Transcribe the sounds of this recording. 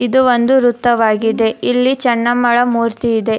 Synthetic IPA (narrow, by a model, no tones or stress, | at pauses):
id̪uond̪uɾut̪ːɐʋaːɡid̪e̞ilːit͡ʃɐɳːɐmːɐɭɐmuːɾt̪iːd̪e̞